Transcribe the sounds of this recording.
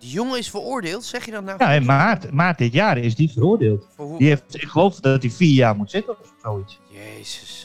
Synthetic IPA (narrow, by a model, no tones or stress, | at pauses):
dəjoŋəɪsfərʊːɹdɪːlˠtsɛxjədɔtajaɛmartmaːt̚dɪtjaːɾɪs̬difəɾoərdɪːlˠtdieɪkχəloːfdɔt̚difiːjaːrmutsɪtə | soːit | esəs